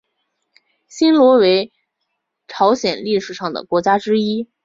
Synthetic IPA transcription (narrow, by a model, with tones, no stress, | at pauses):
ɕi˥nlwɔ˧˥we˧˥ɪ | ʈ͡ʂʰɑ˧˥ʊɕjɛ˨˩nli˥˩ʂɻ̩˨˩ʂɑ˥˩ŋd̪ə̰˩kwɔ˧˥t͡ɕja˥ʈ͡ʂɻ̩˥i˥